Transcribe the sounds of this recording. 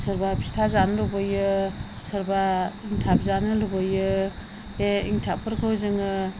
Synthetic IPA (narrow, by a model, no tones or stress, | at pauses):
sɯɾbapʰi̥stʰazanɯlubɯjɯ | sɯɾbaiŋtʰap̚zanɯlubɯjɯ | eḭŋtʰapʰɯɾkʰɯwzɯŋɯ